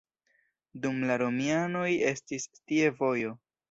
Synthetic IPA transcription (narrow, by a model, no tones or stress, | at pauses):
dumlaɾo̞miano̞je̞stistie̞vo̞jo̞